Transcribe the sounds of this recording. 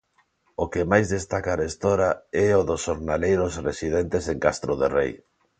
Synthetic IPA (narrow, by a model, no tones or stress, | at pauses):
okemajzðest̪akaɾest̪oɾaɛoðʊsoɾnalejɾʊsresiðent̪eseŋkast̪ɾoðerḛj